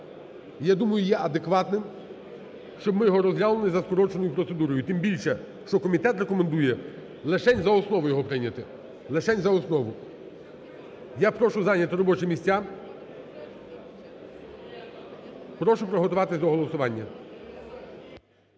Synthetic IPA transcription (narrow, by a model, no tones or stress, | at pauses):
jad̪umɐjʊjɛʔɐd̪ekʋɑt̪nɪm | ʃt͡ʃɔbmɪjɔɦɔɾɔzʲɾʲalˠenɪzɐskɔɾɔt͡ʃenɔjʊpɾɔt̪sed̪uɾɔjʊt̪ɪmbʲilʲʃɛ | ʃt͡ʃɔkɔmʲit̪ɛt̪rekɔmend̪ujɛ | lˠeʃɛnʲzɐɔsnɔʋʊjɔɦɔpɾɪnʲɐt̪ɪ | lˠeʃɛnʲzɐɔsnɔʋʊ | japɾɔʃʊzɑnʲɐt̪ɪɾɔbɔt͡ʃɪmʲisʲt͡sʲa | pɾɔʃʊpɾɔɦɔt̪ʊʋɑt̪ɪsʲd̪ɔɦɔlˠɔsʊʋɑnʲːɐ